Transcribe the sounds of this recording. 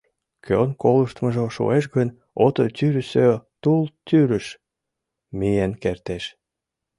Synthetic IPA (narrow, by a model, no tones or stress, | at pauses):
kʰønkoləʃt̪məʒoʃo̰eʃ̬ɡənʲ | ot̪ot̪yɾəsøt̪ult̪yɾəʃ | mijenkert̪eʃ